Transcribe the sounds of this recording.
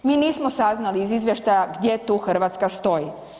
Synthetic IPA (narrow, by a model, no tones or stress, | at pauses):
miːniːsmosaznaliizizʋjeʃt̪ajaɡd̪ʲje̞t̪uxr̩ʋat̪skast̪o̞ji